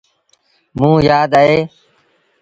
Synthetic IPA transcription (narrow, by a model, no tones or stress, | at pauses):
mũːjaːd̪aːɦeː